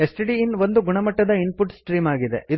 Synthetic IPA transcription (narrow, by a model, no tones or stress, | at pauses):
esʈiɖiːnʋo̞nd̪uɡuɳɐmɐʈːɐd̪ɐinpuʈsʈɾiːmaːɡid̪e̞̰ʔi